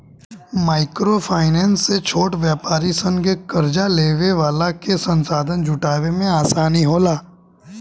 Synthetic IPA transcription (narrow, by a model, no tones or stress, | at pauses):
maːɪkɾopʰaːɪnɛːnsːet͡ʃʰoːʈʋjaːpaːɾisə̃nɡekɐɾd͡ʒaleːʋeʋaːlakesə̃nsaːd̪ʱənd͡ʒʱʊʈaːʋemẽaːsaːniɦoːlaː